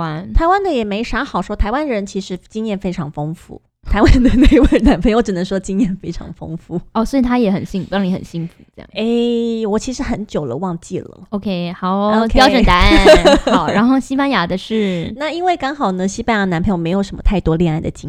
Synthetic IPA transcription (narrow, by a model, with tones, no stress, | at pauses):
a˥nt̪ʰa˧˥ɪwa˥nd̪ə˨jɛ˨˩me˧˥ɪʂa˧˥xɑ˨˩ʊʂwɔ˥t̪ʰa˧ɪwa˥nɻə˧˥nt͡ɕʰi˧˥ʂɻ̩˧˥t͡ɕi˥ŋjɛ˥˩nfe˥ɪʈ͡ʂʰɑ˧˥ŋfɤ˥ŋfṵ˥˩ | t̪ʰa˨˥ɪwa˦˥d̪ə˧˩ne˥˩ɪwe˥˩na˧˥npʰwʈ͡ʂɻ̩˨˩nə˧˥ŋʂwɔ˥t͡ɕi˥ŋjɛ˥˩nfe˥ɪʈ͡ʂʰɑ̰˧˥ŋfɤ̰˥ŋfu˥˩ɔ˥˧˩swɔ˧˥i˨˩t̪ʰa˥jɛ˧˥xə̰˨˩nɕi˥˧ŋfnli˧˥xə̰˨˩nɕi˥ŋfu˧˩˥j̰e˥˩ɪwɔ˨˩t͡ɕʰi˧˥ʂɻ̩˧˥xə˧˥nt͡ɕjo˨˩ʊlə̰˦wɑ˥˧ŋt͡ɕi˥˩lə̰˩o˧ʊkʰe˥ɪxɑ˨˩˦ʊo˧ʊkʰpjɑ˥ʊʈ͡ʂə˨˩t̪a˧˥xɑ˨˧˦ʊɻa˧˥nxo˥˧ʊɕi˥pa˥nja˧˥d̪ə˧ʂɻ̩˥˩na˥˩i˥nwe˥˩ɪkɑ˥ŋxɑ˨˩ʊnə˦ɕi˥pa˥˩˧na˧˥npʰme˧˥ɪjo˨˩ʊʂə˧˥mə˧t̪ʰa˥˩ɪt̪wɔ˥ljɛ˥˧na˥˩ɪd̪ə̰˩t͡ɕi˥ŋ